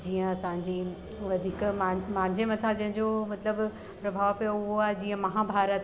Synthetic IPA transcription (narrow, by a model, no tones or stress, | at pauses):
d͡ʑiːə̃ɐsãːɲ̆d͡ʑi | ʋɐd̪ʱiːkmamãːɲd͡ʑemɐt̪ʰãd͡ʑɐ̃ɦɪ̃ɲd͡ʑomɐt̪ləb | pɾɐbʱaːʋpijoʊɦoaːɦed͡ʑiːə̃mɐɦãbʱaːɾət̪